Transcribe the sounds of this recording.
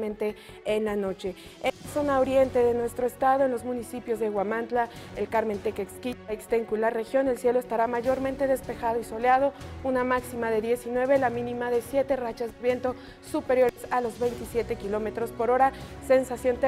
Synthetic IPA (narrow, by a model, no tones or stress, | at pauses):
mẽnt̪e̞ː | nlano̞t͡ʃe̞ | easo̞naoɾje̞nt̪e̞ðe̞nwe̞st̪ɾoest̪aðoenlo̞zmũnisipjo̞zðeɣwamãnt̪laelkaɾme̞nt̪ekekskit̪aekst̪eŋkulare̞xjo̞ne̞lsje̞lo̞est̪aɾamaʝo̞ɾmẽnt̪e̞ðe̞spe̞xað̞o̞iso̞leað̞o̞unamaksimaðe̞ðje̞sinwe̞βe̞lamĩnĩmaðe̞sje̞t̪e̞rat͡ʃazeβje̞nt̪o̞ | supe̞ɾjo̞ɾesalo̞zβe̞jnt̪isje̞t̪e̞kilo̞me̞t̪ɾo̞spo̞ɾo̞ɾase̞nsasjo̞nt̪e